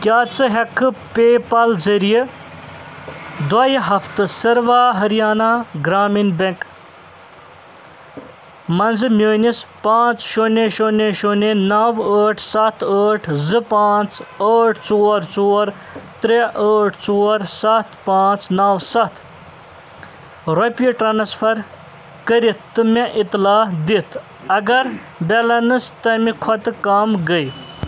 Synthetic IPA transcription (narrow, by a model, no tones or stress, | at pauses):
kʲjaːt͡sɨɦɐkʰːɨpeːpɐlzɐɾije | d̪wɐjiɦɐft̪ɨsɐɾʋaːɦɐɾijaːnaːɡɾaːminbeŋk | mɐnzɨmʲəːnispãːt͡sʃoneʃoneʃonenɐwəːʈʰsɐt̪ʰəːʈʰzɨpãːt͡səːʈʰt͡soːɾt͡soːɾ | t̪ɾeʔəːʈʰt͡soːɾsɐt̪ʰpaːt͡snɐwsɐt̪ʰ | ɾopiʈɾanspʰɐɾ | kəɾit̪ːɨmeʔit̪laːd̪it̪ʰ | ɐɡɐɾ | belɐnɨst̪ɐmikʰɔt̪ɨkamɡəj